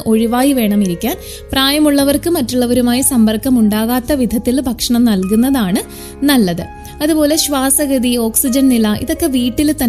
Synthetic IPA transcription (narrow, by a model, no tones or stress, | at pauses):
ʔo̞ɻiʋaːjiʋe̞ːɳɐmiɾikʲːaːn | praːjɐmuɭːɐʋɐrkɨmɐtːuɭːɐʋɐɾumaːjisɐmbɐrkːɐmuɳɖaːɣaːt̪ːɐʋid̪ʱɐt̪ːilbʱɐkʂɐɳɐmnɐlkunːɐðaːɳɨ | nɐlːɐðɨ | ɐðupo̞ːle̞ɕʋaːsɐɣɐd̪io̞ːksid͡ʑɐnnilɐʔḭðo̞kːe̞ʋiːʈːilt̪ɐ